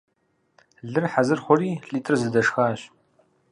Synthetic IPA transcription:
ɮɨrħazɨrχʷɔriːɬʼiːtʼɨrzɨdɐʂxaːɕ

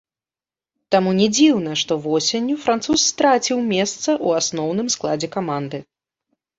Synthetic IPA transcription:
t̪amunʲɛd͡zʲiwnɐʂt̪ɔvɔsʲenʲːufɾant̪susːt̪ɾat͡sʲiwmʲɛst̪sɐʔuasnɔwn̪ɨmsklˠad͡zʲɛkamand̪ɨ

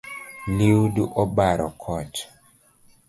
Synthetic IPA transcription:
liwduʔɔbaɾɔkʰɔt͡ʃ

